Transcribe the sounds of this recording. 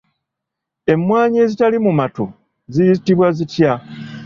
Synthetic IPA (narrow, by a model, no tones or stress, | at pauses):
e̞mːwaːɲeːzitalimumato | zijizitiβwazitja